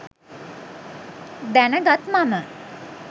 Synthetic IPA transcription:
d̪ɛnəɡɐt̪mamə

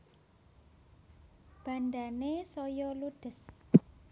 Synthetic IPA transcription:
b̥andanesojɔlud̥əs

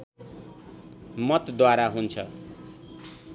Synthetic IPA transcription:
mʌt̪d̪waɾaɦunt͡sʰʌ

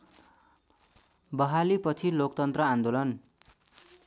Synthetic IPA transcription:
bʌɦalipʌt͡sʰilokt̪ʌnt̪rʌãnd̪olʌn

